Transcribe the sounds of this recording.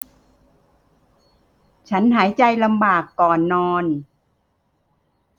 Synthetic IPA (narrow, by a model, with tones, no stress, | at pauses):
t͡ɕʰa˦˥nɦaː˩˦jt͡ɕa˧jla˧mbaː˨˩kːɔː˨˩nːɔː˧n